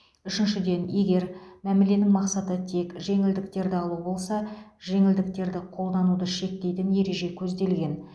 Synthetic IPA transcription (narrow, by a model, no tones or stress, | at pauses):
ʏʃɪnʃɪd̪e̞nje̞ɡʲe̞ɾmæmele̞nɪŋmɑqsɑt̪ət̪ʰe̞kʒe̞ŋɪld̪ɪk̚t̪e̞ɾd̪ɪɑlˠubo̞lˠsɑʒe̞ŋɪld̪ɪk̚t̪e̞ɾd̪ɪqʰo̞lˠd̪ɑnud̪əʃe̞k̚t̪e̞jt̪ɪnje̞ɾe̞ʒe̞kʲʰɵzd̪e̞lɡʲe̞n